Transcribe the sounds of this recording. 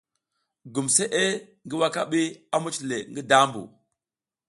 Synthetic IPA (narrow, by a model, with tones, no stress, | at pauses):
ɡu˨mse˦ʔe˦ŋɡi˦wa˦ka˦ɓi˦a˦mu˦t͡ʃle˨ŋɡi˦da˦mbṵ˨